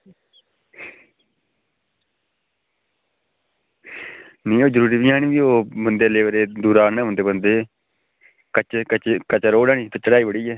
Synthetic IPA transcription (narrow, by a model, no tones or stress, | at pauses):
nĩːoːd͡ʒəɾuːɾiːbiːãːnĩːbiːoːbənd̪eːleːʋɾeːd̪uːɾaːnɛ̃ːbənd̪eːbənd̪eː | kət͡ʃkət͡ʃkət͡ʃːɾoːɽaːniːt̪eːt͡ʃəɽaːiːbəɽiːɛː